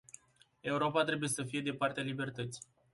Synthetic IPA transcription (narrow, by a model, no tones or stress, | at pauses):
e̞uɾo̞pat̪ɾe̞buje̞səfije̞d̪e̞part̪ealibe̞rt̪ət̪si̥